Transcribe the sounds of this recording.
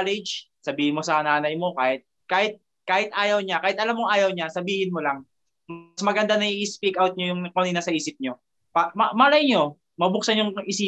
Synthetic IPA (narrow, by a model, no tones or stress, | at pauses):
lɛd͡ʒsɐbiːhɪnmosɐnaːnɐjmo̞kaːhɪt̪̚ | kaːhɪt̪̚ | kaːhɪt̪̚ʔaːjɐwɲakaːhɪt̪ʔɐlamːoŋʔaːjɐwɲasɐbiːhɪnmolɐŋ | msmɐɡɐnd̪anɐʔiʔɪspikawt̪̚ɲojʊŋkoniːnasɐʔiːsɪp̚ɲo̞ | pamɐmɐlɐjɲo̞ | mɐbʊk̚sɐnjʊŋɪsi